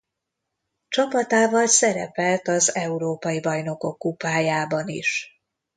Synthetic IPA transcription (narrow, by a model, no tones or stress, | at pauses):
t͡ʃɒpɒt̪aːvɒlsɛɾɛ̰pɛlt̪ɒzɛuɾoːpɒjibɒjno̞ko̞kːupaːjaːbɒnḭʃ